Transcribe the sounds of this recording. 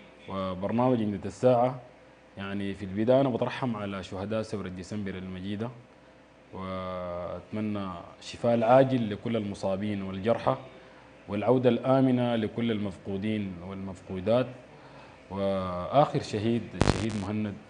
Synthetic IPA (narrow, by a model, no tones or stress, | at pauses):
wibɑɾˤnaːmaɟʕɪnd̪at̪asːaːʕa | jaʕnifilbid̪aːʔnabɪt̪ɾˤɑħːamʕalaʃʊhad̪aːʔsawɾad̪ːisambiɾalmaɟiːd̪a | wia̰t̪manːaʃifaːʔlʕaːɟilːikulːalmʊsˤɑːbiːnwild͡ʒɑɾˤħa | wilʕawd̪alʔaːminalikulːalmafquːd̪iːnwalmafquːd̪aːt̪ | wiʔaːxɪɾʃaɦiːd̪ʃa̰ɦiːd̪mʊɦanːad̪̚